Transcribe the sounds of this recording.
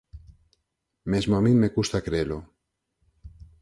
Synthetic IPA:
mezmoamĩmekust̪akɾeelo

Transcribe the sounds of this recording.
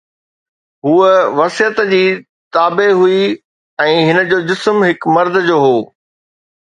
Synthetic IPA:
ɦuːʋɐsijət̪d͡ʑiː | t̪aːbeɦui | ɛ̃ːɦɪnə̆d͡ʑoːd͡ʑɪsmɦɪkmɐɾd̪ʱd͡ʑoːɦoː

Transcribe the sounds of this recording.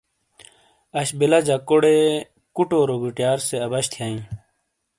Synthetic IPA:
ɐɕbelad͡ʑakoɽe | kuʈoːɾoɡiʈjaːɾseɐbɐɕt̪ʰjaːĩ

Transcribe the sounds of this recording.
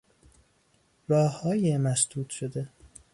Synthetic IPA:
rɒːhɒːjemæsd̪uːt̪ʃod̪e

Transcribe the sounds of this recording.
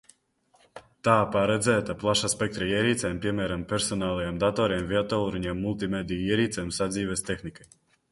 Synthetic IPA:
t̪aːpaɾɛd̪zɛːt̪aplˠaʃaspʲɛk̚t̪ɾaiɛɾiːt̪sʲɛːmpʲiɛmæːɾampɛɾsɔnaːlˠajamd̪at̪ɔːɾiɛmviat̪ɔlˠɾuɲʲɛɛmːulˠt̪̬imɛd̪ijiɛɾiːt̪sɛːmsad̪zʲiːvɛst̪exnikaj

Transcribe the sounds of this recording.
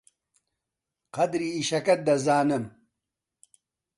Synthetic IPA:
qɐd̪ɾiːʃɐkɐt̪̚d̪ɐzaːnɨm

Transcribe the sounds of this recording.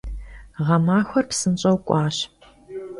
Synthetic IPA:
ʁɐmaːxʷɐrpsɨnɕʼɐwkʷʼɑːɕ

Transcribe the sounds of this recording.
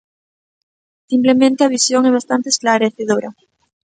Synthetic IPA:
simple̞mẽnt̪eaβisjoŋeβ̞ast̪ant̪esklaɾeθeðoɾa

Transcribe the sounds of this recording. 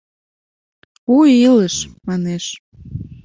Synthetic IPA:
uiləʃmɑneʃ

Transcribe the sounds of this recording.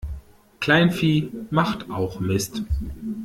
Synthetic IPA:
kl̥aɪnfiːmaχtʔaʊxmɪst

